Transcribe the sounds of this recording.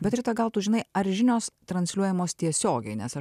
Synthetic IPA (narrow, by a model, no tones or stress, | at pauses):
bʲɛt̪ɾʲɪt̪ɐɡɐlˠt̪ʊʒʲɪnɐɪɐɾʒʲɪnʲoːst̪ɾɐnʲsʲlʲuɔjɛmoːst̪ʲiɛsʲoːɡʲɛɪnʲɛsɐ